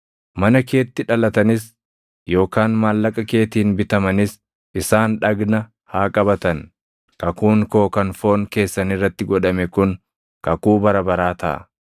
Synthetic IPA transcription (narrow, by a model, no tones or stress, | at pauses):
mɐnɐke̞ːt̪ːɪᶑɐlɐt̪ɐnɪs | jo̞ːkaːnmaːlːɐkʼɐke̞ːt̪iːnbɪt̪ɐmɐnɪs | ʔɪsaːnᶑɐɡnɐ | haːkʼɐbɐt̪ɐn | kɐkuːŋko̞ːkɐnfo̞ːŋke̞ːsːɐnɪrːɐt̪ːɪɡɔᶑɐmɛkʊn | kɐkuːbɐɾɐbɐɾaːt̪ɐ̰ʔɐ̰